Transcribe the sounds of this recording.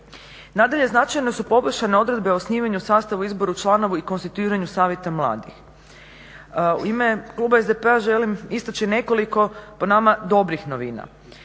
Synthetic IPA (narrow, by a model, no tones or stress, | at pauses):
naːd̪aʎe̞znat͡ʃajne̞supo̞bʃane̞o̞d̪ɾe̞d̪beosniːʋaɲusaːst̪aʋuizbo̞ɾut͡ʃlˠaːno̞ʋuiko̞nst̪i̥t̪uiːɾaɲusaːʋje̞t̪amlˠa̰ːd̪ix | ṵime̞klˠuːbaezd̪epeaʒe̞limist̪at͡ʃine̞ko̞liko̞ponamad̪o̞bɾixno̞ʋḭːna̰